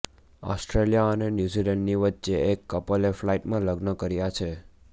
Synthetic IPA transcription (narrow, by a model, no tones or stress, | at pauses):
ɔ̰sʈɾelijaənenjuzilɛɳɖniʋətːʃeekːəpəleflaiʈmãləɡnəkəɾjat͡ʃʰe